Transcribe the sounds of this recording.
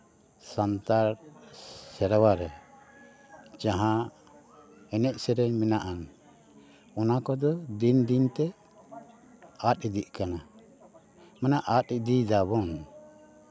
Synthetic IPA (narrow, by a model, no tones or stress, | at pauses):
sant̪aɾ | sɛɾawaɾɛ | t͡ʃaɦã | ɛnɛt̪̚sɛɾɛɲminaʔan | ɔnakɔd̪ɔd̪ind̪int̪ɛ | at̪̚id̪iʔkana | manaʔat̪̚id̪id̪aβɔn